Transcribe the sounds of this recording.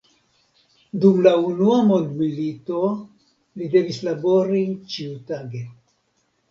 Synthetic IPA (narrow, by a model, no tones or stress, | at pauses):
dumlaunuamo̞ndmilito̞ | lide̞vislabo̞ɾit͡ʃiutaɡe